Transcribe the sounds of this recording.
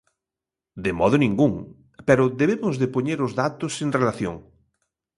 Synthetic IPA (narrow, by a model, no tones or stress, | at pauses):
d̪emɔðʊnĩŋɡuŋ | peɾʊðeβemʊzðepoɲeɾʊzðat̪ʊseŋrelaθjo̰ŋ